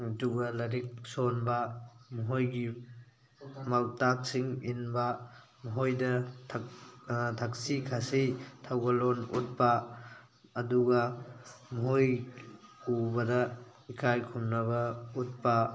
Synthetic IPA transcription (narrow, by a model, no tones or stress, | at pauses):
duɡɐlɐɾik̚sonbɐmɐɦojɡi | mawtak̚siŋinbɐ | mɐɦojdɐ | tʰɐksikʰasitʰawɡɐlonṵt̚pɐː | duɡɐmɐɦoj | ubɐdɐ | ikʰajkʰumnɐβɐut̚pɐ